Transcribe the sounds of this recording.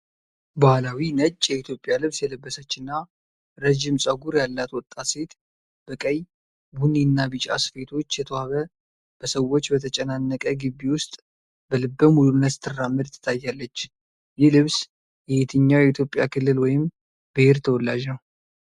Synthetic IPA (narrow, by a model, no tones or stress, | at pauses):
bahlawinət͡ʃʼːjɛit̪ʰjo̞pʼɪjalɨβsjɛləbːəsət͡ʃːɨnːa | ɾəʒɪmsʼəɡuɾjalːat̪wɔt̪ʼːat̪se̞t̪ | b̥əkʼəj | buninːabɨt͡ʃʼa̰sfe̞t̪ʰo̞t͡ʃːjɛt̪ʰəwaβə | b̥əsəwo̞t͡ʃːbət̪ʰət͡ʃʼɛnanːəkʼəɡɨbːiwʊst̪ʼ | bəlɨbːəmulumnːət̪t̪ʰːɨrːamːɨd̪t̪ʰːɨ̥t̪ʰajːalːət͡ʃː | jɛlɨβs | jɛet̪ʰɨɲːawjɛit̪ʰjo̞pʼːjakʰɨlːɨlwɔjɪm | bəheɾt̪ʰəwɔlːaʒnəw